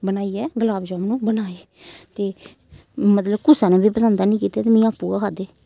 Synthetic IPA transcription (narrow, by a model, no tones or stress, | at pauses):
bənaːiːɛːɡəlaːbd͡ʒaːmnũːbənaːeː | t̪eː | mət̪ləbkʊsãːnẽːbiːpəsənd̪aːnĩːkiːt̪eːt̪eːmĩːaːpːuːɡaːkʰaːd̪eː